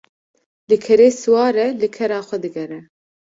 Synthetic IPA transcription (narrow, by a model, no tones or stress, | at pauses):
lɨkʰɛɾeːsɨwɑːɾɛlɨkʰɛɾaːxʷɛd̪ɨɡɛɾɛ